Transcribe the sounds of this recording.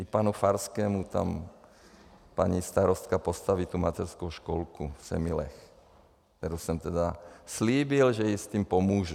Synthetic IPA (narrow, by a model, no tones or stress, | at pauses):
ʔipaːnufaɾskɛːmut̪a̰m | paɲist̪aɾɔst̪kapost̪aʋiːt̪umat̪ɛɾskoʊʃkɔlkusɛ̰milɛ̰x | t̪ɛɾosɛmt̪ɛd̪asliːbilʒɛjist̪iːmpomuːʒu